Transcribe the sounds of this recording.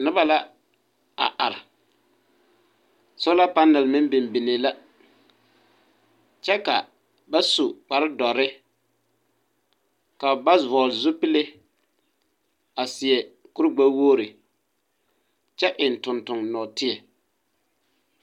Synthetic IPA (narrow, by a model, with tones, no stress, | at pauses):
nʊ˦ba˨la˦ | a̰˨ʔa˨ɾɪ˨ | so˦la˦pa˦nɛ˨lmɪ˦n˦bɪ˨mbi˨ne˨la˦ | t͡ʃɛ˦ka˨ | ba˦su˨k͡pa˨ɾɪ˦dɔ˨ɾɪ˦ | ka˨ba˦zɔ˨zʊ˦pɪ˦le˦ | a˨sɪ˨ɛ˨kʊ˦ɾɡ͡ba˦woː˦˨ɾɪ˨ | t͡ʃɛ˦ʔɪ˨n˨tʊ˨ntʊ˨ŋnɔː˨tɪ˦ɛ˨